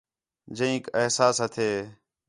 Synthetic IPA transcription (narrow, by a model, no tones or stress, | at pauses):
d͡ʒə̃ĩːkeɦsaːsɦət̪ʰeː